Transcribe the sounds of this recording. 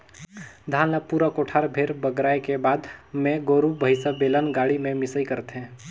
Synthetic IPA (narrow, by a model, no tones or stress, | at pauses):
d̪ʱaːnləpuːɾakoʈʰaːɾbʱeɾbəɡɾaːekebaːd̪mẽɡoːɾubʱəɪsəbeːlənɡaːɽimẽmɪsəikəɾt̪ɦɛ̃ː